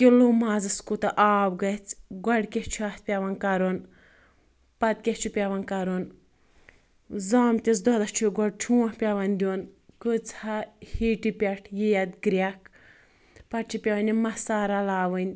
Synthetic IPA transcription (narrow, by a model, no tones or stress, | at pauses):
kʲilumaːzɨskut̪ɐʔaːbɡɐt͡sɡɐɖkʲeht͡ʃʰuaːt̪pʲɐʋɐnkɐɾon | pɐt̪̚kʲeht͡ʃʰupʲɐʋɐnkɐɾon | zaːmt̪ʲis̬d̪ɔd̪ɐt͡ʃʰuɡɔɖ̚t͡ʃʰuːɐ̃hpʲɐʋɐnʲd̪ʲuːnkɨt͡shahiːʈipʲɐʈʰjijɐd̪ɡɾʲakʰ | pɐt͡ʃʰipʲɐʋɐnʲimɐsaːɾalaːʋɨnʲ